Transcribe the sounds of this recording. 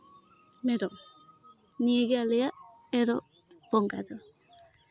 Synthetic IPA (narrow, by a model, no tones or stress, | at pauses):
meɾɔ | nieɡealɛja | ɛɾɔ | b̥ɔŋɡa̰d̪ɔ